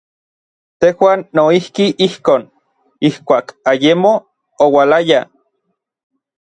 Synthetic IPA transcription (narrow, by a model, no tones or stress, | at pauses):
t̪ehwaːnːoihkiʔihkoːn | ihkʷaːkajemo | owalaja